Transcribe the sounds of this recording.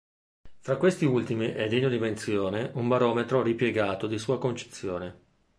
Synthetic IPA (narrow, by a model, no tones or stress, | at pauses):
fɾakːwest̪iult̪imiʔɛd̪eɲːod̪iment̪sjoːneʔumbaɾɔːmet̪ɾoripjeɡaːt̪od̪isuːakont͡ʃe̥t̪sːjoːne